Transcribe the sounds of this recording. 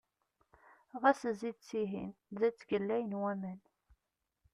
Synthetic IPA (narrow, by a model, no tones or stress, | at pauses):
ʁæsəzid̪t͡sːiɦḭnðæt͡sːɡəlːæjənwæmən